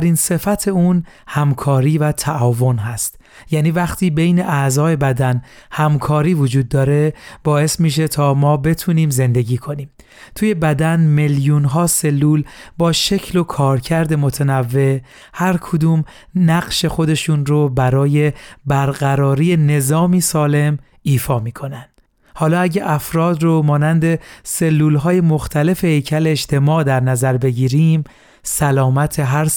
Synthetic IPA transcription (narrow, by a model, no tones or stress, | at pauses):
æɾiːnse̞fæt̪ʰe̞uːn | hæmkʰɒːɾiːvæt̪ʰæʔɒːvo̞nɦæst̪ | jæːniːvæχt̪ʰiːbe̞jne̞ʔæzɒːe̞bæd̪ænhæmkʰɒːɾiːvod͡ʒuːd̪̚ːɒːɾe̞b̥ɒːe̞smiːʃ̬e̞t̪ʰɒːmɒːbe̞t̪ʰuːniːmze̞nd̪e̞ɟiːkʰo̞niːm | t̪ʰuːje̞bæd̪ænmeljuːnɦɒːse̞lːuːlbɒːʃe̞cʰlo̞kʰɒːɾcʰæɾd̪e̞mot̪ʰenævːe̞ | hæɾkʰod̪uːm | næɢʃe̞xo̞d̪e̞ʃuːnɾobæɾɒːje̞bæɾɢæɾɒːɾiːjene̞zɒːmiːsɒːle̞m | iːfɒːmiːkʰo̞nænd̪̥ | hɒːlɒːæɟæʔæfɾɒːd̪romɒːnænd̪e̞se̞lːuːlɦɒːjemo̞xt̪ʰæle̞fe̞he̞jcʰæleeʃt̪ʰe̞mɒːd̪æɾnæzæɾbe̞ɟiːɾiːm | sælɒːmæt̪ʰe̞ɦæɾ